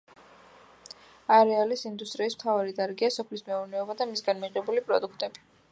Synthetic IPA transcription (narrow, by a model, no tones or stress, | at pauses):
aɾɛalisind̪ust̪ʼɾiːsm̥t̪ʰavaɾid̪aɾɡiasɔpʰlismɛuɾnɛɔbad̪amisɡanmiʁɛbulipʼɾɔ̰d̪ukʰt̪ʼɛbi